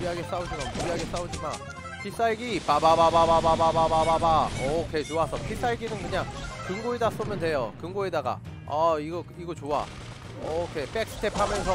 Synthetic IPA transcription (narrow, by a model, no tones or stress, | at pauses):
iɦaɡe̞s͈aud͡ʑimanpubiɦaɡe̞s͈aud͡ʑima̰n | pʰis͈aiɡipababababababababababaʌkʰe̞t͡ɕoasʰʌpʰis͈aiɡinɯnkɯɲaŋkɯŋɡoedas͈omjʌndwe̞jokɯŋɡoedaɡa̰ | aiɡʌiɡʌt͡ɕoa̰ | ʌkʰe̞p͈ek̚s͈ʰɯ̥tʰepʰamjʌnsʰʌ